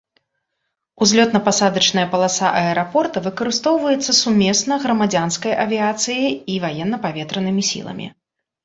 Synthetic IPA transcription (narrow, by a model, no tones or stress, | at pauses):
uzʲlʲɔt̪nɐpasad̪ɐt͡ʂnɐjɐpɐlˠasaʔɐɛɾapɔrt̪ɐvɨkɐɾɨst̪ɔwvɐjɛt̪sːɐsumʲɛsnɐɣɾɐmad͡zʲanskɐjʔɐvʲiat̪sɨjɐjivajɛnːɐpavʲɛt̪ɾɐnɨmʲisʲḭlˠɐ̰mʲḭ